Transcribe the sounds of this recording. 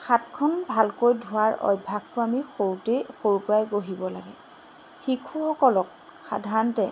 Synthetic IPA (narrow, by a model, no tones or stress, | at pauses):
xatkʰɔnbʱalkojdʱʊwaɹɔ̰jbʱaɡ̚tʊamixoɹutejxoɹupɹajɡoɦibɔla̰ɡɛ̰ | xikʰuxɔkɔlɔk̚ | xa̰dʱaɹɔntɛ